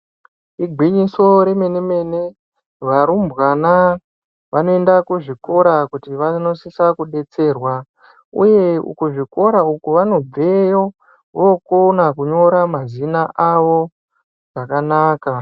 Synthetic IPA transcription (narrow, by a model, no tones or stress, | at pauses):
iɡʱwiɲiso̞ɾe̞me̞neme̞ne̞ | ʋaɾumbwana | ʋano̞endakuʐiko̞ɾakutiʋano̞sisakuɗe̞t͡se̞ːrwa | ṵje̞ṵkuʐiko̞ɾaukuʋano̞b͡vejo | ʋokonakuɲo̞ɾamazinaʔaʋo̞ | ʐ̥akanaːka